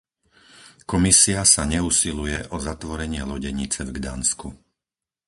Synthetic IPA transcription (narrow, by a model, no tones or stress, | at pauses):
kɔmisiasaɲɛusilujɛʔɔzat̪ʋɔɾɛɲɪɛlɔɟɛɲit͡sɛvɡd̪aːnsku